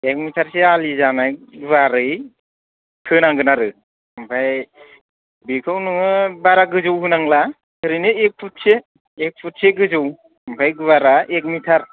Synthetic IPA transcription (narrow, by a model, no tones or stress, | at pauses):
ek̚mitʰaɾsealizanajɡɯβaɾɯj | kʰɯnaŋɡɯnaɾɯ | mbʰaj | bikʰɯwnɯɯbaɾaɡɯzɯwɦɯnaŋla | kʰɯɾinɯek̚pʰut̚seː | k̚pʰut̚seɡɯzɯw | bʰajɡɯβaɾaʔek̚mitʰaɾ